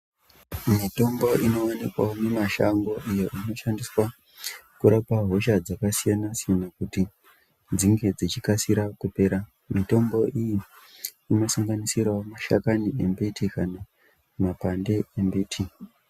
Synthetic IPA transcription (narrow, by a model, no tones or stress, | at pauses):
mito̞mbo̞ʔino̞wanikwa̰onemaʃa̰ŋɡo̞ʔijo̞ʔino̞ʃandiswa | kuɾapaɦo̞ʃad͡zakasijanasijanakuti | d͡ziŋɡe̞d͡zit͡ʃikasiɾakupe̞ːɾa | mito̞mbo̞ʔijiː | no̞saŋɡanisirwaomaʃa̰kaniembitʰikana | mapande̞embeːtʰi